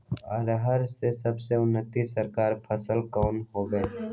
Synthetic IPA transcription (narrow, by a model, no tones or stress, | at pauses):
əɾɦəɾsesəbseʊnːət̪isəɾkaːɾpʰəsəlkɔːnɦoːɡẽː